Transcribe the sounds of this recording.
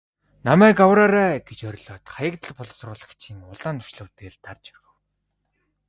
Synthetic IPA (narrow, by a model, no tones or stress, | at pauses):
namæːkawraɾæːɡet͡ɕœɾʲɮɔːt̪χajə̆kt̪ə̆ɮpʊɮ̆srʊːɮə̆kt͡ɕʰiŋʊɮaːnt̪ʊ̥ʃɮʊ̆ːt̪eːɮt̪ʰart͡ɕœ̥rɣɵ̆w